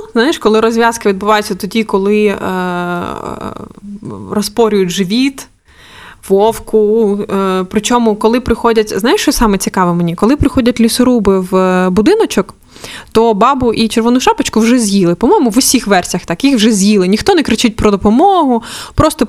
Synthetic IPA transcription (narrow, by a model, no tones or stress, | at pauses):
znɑjɛʃkɔlˠɪɾɔzʲʋʲjaskɪʋʲid̪bʊʋɑjʊt͡sʲːɐt̪ɔdʲikɔlˠɪ | rɔspɔɾʲʊjʊtʲʒɪʋʲit̪ | ʋɔwkʊ | pɾɪt͡ʃʲɔmʊkɔlˠɪpɾɪxɔdʲɐtʲznajɪʃt͡ʃɔsʲsɑmɛt͡sʲikɑʋɪmenʲikɔlˠɪpɾɪxɔdʲɐtʲlʲisʊɾubɪʋbʊd̪ɪnɔt͡ʃɔk | t̪ɔbɑbʊʔit͡ʃeɾʋɔnʊʃɑpɐt͡ʃkʊwʒɛzʲjilˠɪpɔmɔjmʊʋʊsʲixʋɛrsʲjɐxt̪ɑkjixwʒɛzʲjilˠɪnʲixt̪ɔnɛkɾɪt͡ʃɪt̚ʲpɾɔd̪ɔpɔmɔɦʊpɾɔst̪ɔ